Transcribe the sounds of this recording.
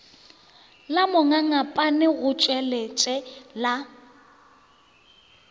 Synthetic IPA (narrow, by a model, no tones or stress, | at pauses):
lamʊŋaŋapʼanɪɣʊt͡ʃʼɛlet͡ʃʼɛla